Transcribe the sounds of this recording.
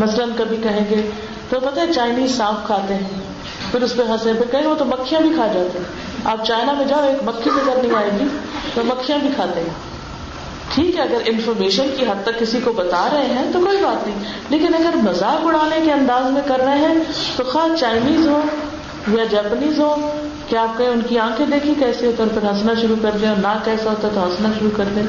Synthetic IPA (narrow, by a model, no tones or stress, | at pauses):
mɐslənkɐbʱikɐɦẽːɡeː | t̪opɐt̪aːɦet͡ʃaːɪniːzsãːfkʰaːt̪eɦɛ̃ː | pʰɪɾʊspẽɦãsẽbẽkɐɦẽot̪omɐkʰːijãbʱikʰaːd͡ʒaːt̪eɦɛ̃ | aːp̚t͡ʃaːɪnamẽd͡ʒaːoeːkmɐkʰːisẽkɐɾnɦĩaːeɡiːt̪omɐkʰːijãbʱikʰaːt̪eɦɛ̃ː | ʈʰiːkɦɛɐɡəɾʔɪnfɔːɾmeːʃənkiɦɐd̪̚t̪əkːɪsikobɐt̪aːɾɐɦeɦɛ̃t̪okoːibaːt̪nɐɦĩ | leːkɪnɐɡəɾmɐzaːkʊɽ̤aːnekeɐ̃nd̪aːzmẽkɐɾnəeɦɛ̃t̪oxaːt͡ʃaːɪniːzɦoː | jad͡ʒɛːpəniːzɦoː | keaːp̚kɐʊnkiãːkʰẽd̪eːkʰiekɛːset̪ɔːɾpɐɾɦɐsnaʃʊɾukɐɾt̪ẽɔːɾnakɛːsaɦoːt̪aɦɛt̪oɦɐsnaʃʊɾukɐɾd̪ẽ